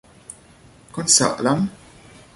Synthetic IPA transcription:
kɔnsɐ̰ʔlɐm

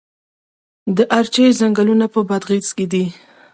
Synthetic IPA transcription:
d̪əʔaɾt͡ʃejzaŋɡalunapəbad̪ɣit͡sked̪i

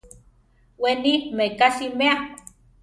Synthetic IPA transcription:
wenimekasimea

